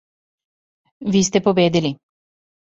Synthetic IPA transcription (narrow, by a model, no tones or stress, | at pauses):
ʋiːst̪ɛpobeːd̪ɛli